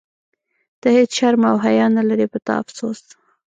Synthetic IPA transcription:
d̪̥əhet͡sʃaɾmawɦajɑnːalaɾipət̪ɑ̰a̰fsos

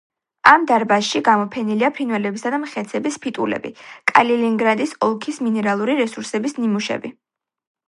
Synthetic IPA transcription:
amd̪aɾbasʃiɡamɔpʰɛniliapʰɾinvwɛlɛbisad̪amχɛt̪sʰɛbispʰit̪ʼulɛ̰bḭkʼa̰liliŋɡɾad̪isɔlˠkʰisminɛɾalˠuɾiɾɛsuɾsɛbisnimuʃɛ̰bi

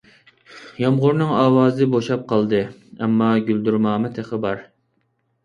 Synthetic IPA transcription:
jɑmʁʊɾnɨŋɑːwɑːzɨboʃɑp̚qʰɑlˠd̪ɨɛmːɑɡʲyld̪yɾmɑːmɨt̪ʰeχəbɑɾ

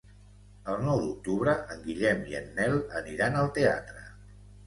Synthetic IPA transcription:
əlˠnɔwðuk̚t̪uβɾəʔəŋɡiʎɛmiə̰nːɛləniɾanəlˠt̪ea̰t̪ɾə

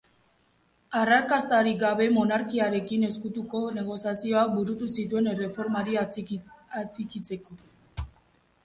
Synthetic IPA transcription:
araɾkast̪aɾiɡaβe̞mo̞naɾkiaɾe̞kine̞skut̪uko̞ne̞ɣ̞o̞siasio̞ak̚buɾut̪usit̪ue̞nere̞fo̞ɾmaɾi | at͡sikit͡se̞ko̞

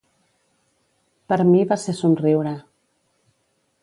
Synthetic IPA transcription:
pəɾmiβasesunriwɾa

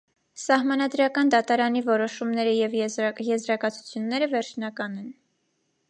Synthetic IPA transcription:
sɑhmɑnɑd̪ɾɑkɑnd̪ɑt̪ɑɾɑnivɔɾɔʃumnɛɾəjɛvjɛzɾɑkɑt͡sʰu̥t͡sʰjunːɛɾəvɛɾt͡ʃʰnɑkɑnɛn

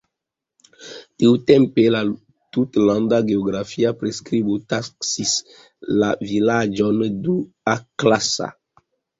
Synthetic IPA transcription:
tiwt̪ɛ̃mpela | tut̪lãnd̪aɡeoɡɾafiapɾeskɾibutaksis | la̰vilad͡ʒɔndu | aklasa̰

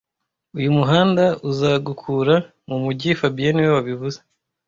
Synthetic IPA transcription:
ujumuɦaːndauzaɡukʰuːɾa | mumuɟifabijeniwewaβiβuze̥

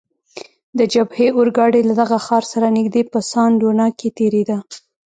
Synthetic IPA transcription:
d̪əd͡ʒabheʔoɾɡɑɽelad̪aɣaxɑɾsaɾanɪɡd̪epəsɑnɖonɑket̪eɾed̪a

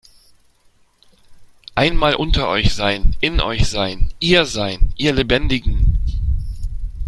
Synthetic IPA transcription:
ʔaɪnmaːlʔʊntɐʔɔʏçz̥aɪnʔɪnʔɔ̰ʏçz̥aɪnʔiːɐzaɪnʔiːɐlebɛndɪɡŋ̩

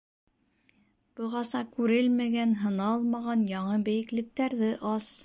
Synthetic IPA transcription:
b̥ɤ̆ʁɑsɑkʉɾɘlmæɡænɦɤ̆nɑlˠmɑʁɑnjɑɴɤbɘ̆jɘ̆klɘ̆k̚t̪æɾðɘʔɑs

